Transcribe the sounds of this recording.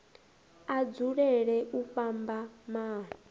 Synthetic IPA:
ad͡zuɺɛɺɛʔuɸambamaː

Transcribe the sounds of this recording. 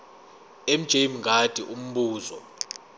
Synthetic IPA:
em̩d̥ʒ̥ʱejm̩ŋɡʱad̥ʱiʔum̩ɓuːzɔ

